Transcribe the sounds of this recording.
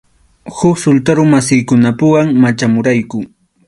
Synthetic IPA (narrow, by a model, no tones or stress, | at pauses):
xʊksʊlt̪aɾʊmasɪjkʊnapʊwaŋmat͡ʃamʊɾajkʊ